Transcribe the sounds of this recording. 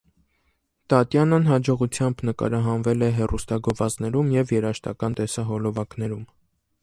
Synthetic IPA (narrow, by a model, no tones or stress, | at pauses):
t̪ɑt̪jɑnənɦɑd͡ʒɔʁut͡sʰjɑmbnəkɑ̰ɾɑɦɑnvɛlɛɦɛrust̪ɑɡɔvɑznɛɾumjɛvjɛɾɑʃt̪ɑ̰kɑnt̪ɛsɑɦɔlɔvɑkn̪ɛɾum